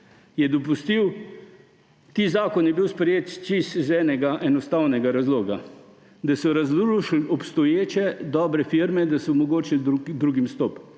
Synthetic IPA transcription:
jɛd̪ɔpust̪iw | t̪iːzaːkɔnjɛbiwspɾɛjeːt̪t͡ʃiszɛːnɛɡaʔɛnɔst̪awnɛɡaɾazloːɡa | d̪asɔɾazʃlɔpst̪ɔjeːt͡ʃɛd̪ɔːbɾɛfiɾmɛd̪asɔmɔɡoːt͡ʃɛud̪ɾuɡimst̪ɔːp

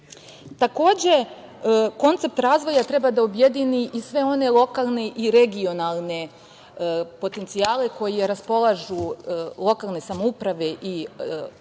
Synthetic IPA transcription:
t̪ako̞ːd͡ʑe̞ | ko̞nt̪se̞p̚t̪ɾaːzʋo̞jat̪ɾe̞bad̪aobje̞d̪iniʔisʋe̞o̞ne̞lˠo̞kalˠne̞ʔiɾe̞ɡio̞nalˠne̞ | po̞t̪ent̪sijaːle̞ko̞jeɾaspo̞lˠaʒulˠo̞kalˠne̞samoupɾaʋe̞ʔi

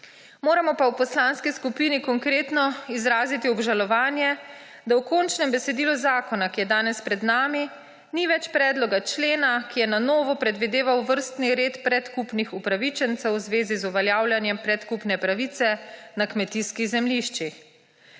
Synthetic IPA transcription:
moːɾamɔpawpɔslaːnskiskupiːnikɔŋkɾeːt̪nɔizɾaːzit̪iɔbʒalɔʋaːnjɛ | d̪awkɔnt͡ʃnɛmbɛsɛd̪iːluzaːkɔnakijɛd̪aːnɛspɾɛd̪naːmi | niʋɛt͡ʃpɾɛːd̪lɔɡat͡ʃleːnakijɛnanɔːʋɔpɾɛd̪ʋid̪eːʋawʋəɾst̪niɾeːt̪pɾɛt̪kupnixupɾaʋit͡ʃɛnt̪sɛwzʋeːzizuʋaljaːwljanjɛmpɾɛt̪kupnɛpɾaʋit̪sɛnakmɛt̪iskizɛmliʃt͡ʃix

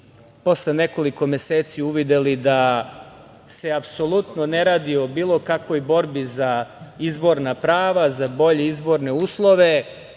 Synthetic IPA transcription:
po̞slene̞ko̞liko̞mjeseːt̪siuʋid̪elid̪a | se̞apso̞lˠut̪noneɾaːd̪iobiːlˠo̞kakʋo̞jbo̞ɾbizaizbo̞ɾnapɾaːʋazabo̞ʎeizbo̞ɾne̞uːslˠo̞ʋe̞

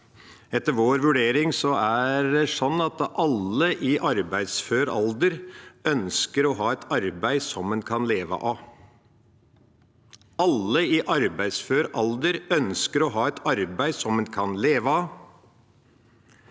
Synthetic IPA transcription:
ɛt̪ːəɾʋoːɾʋʉɖeːɾɪŋsɔæɾdɛsɔnːɑt̪ʔɑlːəʔɪʔɑɾbæɪd̪sføːɾɔld̪əɾœnskəɾɔɦɑːɛt̪ʰɑɾbæɪsɔmɛnkʰɑnleːʋə̰ʔɑ | ɑlːəɪʔɑɾbæɪsføːɾɔld̪əɾœnskəɾɔɦɑːɛt̪ʰɑɾbæɪsɔmɛnkʰɑnleːʋɑ

